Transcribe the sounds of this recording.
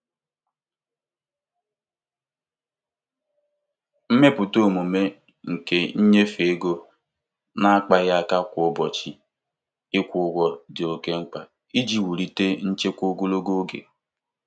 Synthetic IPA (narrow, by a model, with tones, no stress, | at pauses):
m̩˦me˦pʊ˨to˦˨mu˨me˦ | ŋ̩˨ke˦ɲ̩˦ɲe˦fe˨e˦ɡo˦ | na˦a˦k͡pa˦ja˦a˦ka˦kʷʊ˨ʊ˦˨bɔ˨t͡ʃi˦ | ɪ˦kʷʊ˨˦ɡʷɔ˨dɪ˨o˨ke˦ŋ͡m̩˦k͡pa˨ | i˦d͡ʒi˨wu˨ɾi˨te˦n̩˦t͡ʃe˦kʷo˦ɡo˦lo˦ɡo˦ɡḛ˨